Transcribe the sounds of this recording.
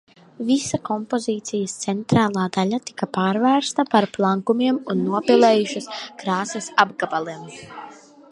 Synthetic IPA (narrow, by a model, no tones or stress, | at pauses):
visakɔmpoziːt̪sijɐst̪sɛnt̪ɾaːlˠaːd̪alʲat̪i̥kɐpaːɾvæːɾst̪apaɾplˠaŋkumiɛmunːuɔpɛlˠeːjuʃɐskɾaːsesabɡabalˠem